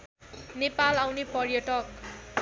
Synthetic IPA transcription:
nepalawnepʌrjʌʈʌk

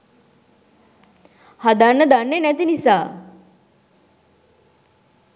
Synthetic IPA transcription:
had̪anːəd̪anːenɛt̪̬inisa

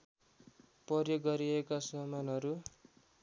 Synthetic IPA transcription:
prʌrjoɡːʌɾiekasʌmanɦʌɾu

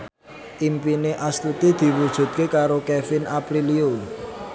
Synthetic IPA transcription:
ʔimpineʔast̪ut̪id̪̥i̤wud̥ʒ̥ṳt̪̚kekaɾokɛfɪnapɾiliun

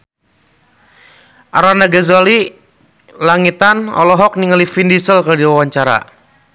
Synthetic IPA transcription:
ʔaɾanaɡazali | laŋit̪anɔ̰lɔɦɔk̚niŋalifindisəlkərdiwawaɲt͡ʃaɾa̰

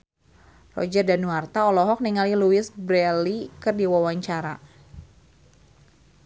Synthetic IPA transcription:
rɔ̰d͡ʒardanuart̪aɔlɔɦɔk̚niŋaliluɪsbɾɛlikɨrdiwawaɲt͡ʃaɾa̰

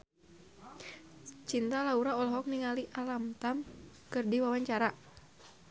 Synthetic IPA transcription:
t͡ʃint̪alauɾaɔlɔɦɔk̚niŋaliʔalamt̪amkɨrdiwawaɲt͡ʃaɾa

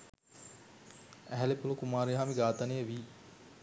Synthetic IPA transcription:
æɦælepulukumaːɾeɦaːmiɡaːt̪ɐnejəʋiː

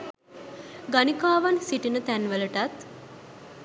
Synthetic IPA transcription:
ɡanikaːʋansiʈinət̪ænʋələʈat̪

